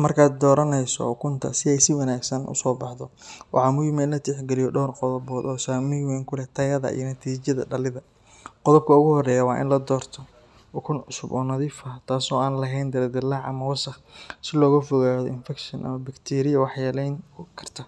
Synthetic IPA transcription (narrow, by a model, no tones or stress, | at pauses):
mɐrkʰaːd̪̚d̪ɔːɾɐnɛjsɔ̰ʊkʰʊnt̪ʰɐ̰sɪɛjsɪwɑnaːɡsɐnʔʊ̰sɔːbɑħdɔwʔɑ̰ʕɑmʊjɪmɛnlɐt̪ʰɛħɡɛlɪjɔɖɔːrqɔðɔβɔːd̪ɔːsaːmiwɛŋkʰʊlɛt̪ʰɐjɐðɐ̰ʔḭjɐnɐt̪ʰiːt͡ʃjɐðɐ̰ɖɐlɪðɐ | qɔðɔb̚kʰɐʊɣʊhɔrɛːjɐwɑːʔɪ̰nlɐd̪ɔːrt̪ʰɔ | ʊkʰʊnʕʊsʊbɔ̰ːnɐðiːfɐt̪ʰaːsɔːaːnlɐɦɛjnd̪ɐɾɛd̪ɪlːaʕɐ̰mɐwɐsɐχsɪlɔːɣɐfɔɣaːðɔɪnfɛkʃɔnʔɐ̰mɐbɐkt̪ʰɛːɾɪjɐwɑħjaːlɛjŋkʰɐrt̪ʰɐ